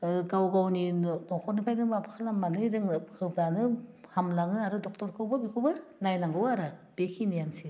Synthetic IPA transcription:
ɡawɡawninɔkʰɔɾnipʰajdɯbapʰḁkʰalamːanɯjdɯŋhɯblanɯhamlaŋɯaɾɯdɔk̚tɔɾkʰɯwbɯbikʰɯwbɯɾnajnaŋɡɯwaɾab̥ekʰinijansi

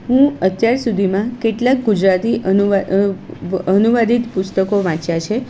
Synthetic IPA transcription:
ɦũət̪jaɾsud̪ʱimãkeʈlak̚ɡud͡ʒɾat̪iʔənu | ənuʋad̪it̪pʊst̪əkoʋãt͡ʃjãt͡ʃʰe

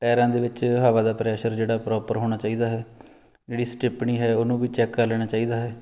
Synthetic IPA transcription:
ʈɛːɾãːd̪eːʋɪt͡ʃɦaːʋaːd̪aːpɾɛːʃəɾd͡ʒeːɽaːpɾɔːpəɾɦoːɽ̃aːt͡ʃaːiːd̪aːɦɛː | d͡ʒeːɽiːsʈɪpɳiːɦɛːoːnũːʋiːt͡ʃɛːkːaːlɛːɽ̃aːt͡ʃaːiːd̪aːɦɛː

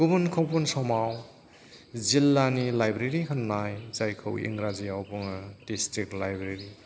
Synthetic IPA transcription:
ɡ̥ubunkʰɔwpunsɔmaw | zilːanilajbɾeɾikʰɯnːajzajkʰɯwḭŋɾazijawpuŋɯdistɾik̚lajbɾeɾi

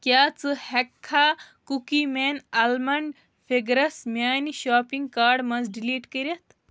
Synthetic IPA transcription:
kjaːt͡sɨhɛkʰːaːkukimeːnɐlmɐɳɖ | feɡɾɐsmʲjaːniʃaːpiŋɡkaːɖmɐnzɖiliːʈkəɾʲɐt̪

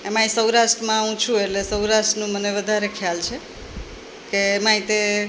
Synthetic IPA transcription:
emãisəwɾaʃʈɾəmãũt͡ʃʰueʈlesəwɾaʃʈənũməneʋəd̪ʱaɾekʰjalt͡ʃʰe | keːmãĩt̪e

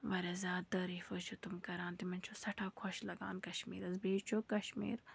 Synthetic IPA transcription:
ʋɐɾɐzʲaːt̪ɐɾiːfɐt͡ʃʰut̪umkɐɾãːnt̪imɐnʲt͡ʃʰosɐʈʰaːkʰɔʃlɐɡa̰ːnkɐʃmḭːɾɐzbiːt͡ʃʰokɐʃmḭːɾ

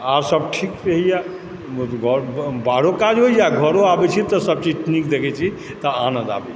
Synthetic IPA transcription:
aɾsəbʈʰikɾəɦija | ɡʱəɾbaɽokad͡ʒɦojd͡ʒaɡʱəɾoabɛt͡ʃʰit̪ɔsəb̚t͡ʃiʈnikd̪ekʰɛt͡ʃʰi | t̪əanə̃nd̪a̰bɛ̰

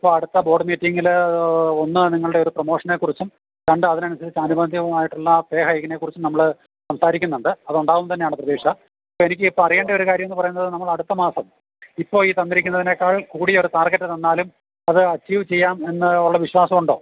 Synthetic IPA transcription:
ipːo̞ːɭɐɽut̪ːɐbo̞ːɖɨmiːtːiŋɡil | onːɨniŋːɐɭuɽe̞o̞ɾupromo̞ːʂɐneːkːurit͡ɕːum | t̪ɐɳɖɨɐðinɐnɐsɐðit͡ɕːɐnubɐnd̪ʱiɣɐmaːjiʈːuɭːɐpeːɦɐeɣɐne̞kːurit͡ɕːumnɐmːɐɭ | sɐmsaːɾikʲːunːuɳɖɨɐðuɳɖaːʋumt̪ɐnːejaːɳɨprɐðiːʂɐ | ɐpːoːenikʲːɨipːoɐrije̞ːɳɖɐo̞ɾukaːɾjɐme̞nːɨpɐrɐjunːɐðɨnɐmːɐɭɐɽut̪ːɐmaːsɐm | ipːo̞ːɭiːt̪ɐnːiɾikʲːunːɐðine̞kːaːɭkuːɽio̞ɾut̪aːrɡetːɨt̪ɐnːaːlum | ɐðɨɐt͡ɕːiːʋt͡ɕe̞jːaːme̞nːɨuɭːɐʋiɕwaːsɐmuɳɖo̞ː

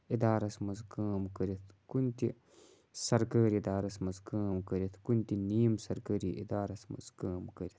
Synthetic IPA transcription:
id̪aːɾɐsmɐzkaːmkɐɾit̪ʰkunt̪i | sɐɾkaːɾid̪aːɾɐsmɐzkaːmkɐɾit̪ʰkunt̪iniːjmsɐɾkəːɾiʔḭd̪aːɾɐsmɐ̰zkaːmkɐɾit̪ʰ

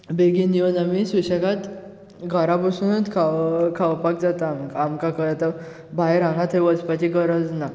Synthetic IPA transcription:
beɡiniunamisuɕəkat̪ | ɡʱaɾapəsunət̪kʰakʰaʋpak̚d͡zat̪amkamkakəat̪a | bʱajɾãŋɡat̪ɦeʋəd͡zpat͡ɕiɡəɾəd͡zna

